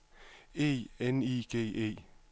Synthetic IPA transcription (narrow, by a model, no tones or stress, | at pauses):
eeniːkʰeːʔḛː